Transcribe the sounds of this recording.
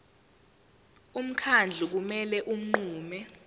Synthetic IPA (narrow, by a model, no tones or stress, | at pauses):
um̩kʰand͡ɮʱuk̬umɛlɛʔum̩ŋ͡ǃuːmɛ